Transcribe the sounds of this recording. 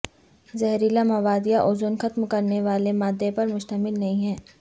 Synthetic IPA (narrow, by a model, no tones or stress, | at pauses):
zɛɦɾiːlamɐʋaːd̪ijaʔʊzʊnxɐt̪mkɐɾneʋaːlemaːd̪ːepɐɾmʊʃt̪əmɪlnɐɦĩɦɛ̃ː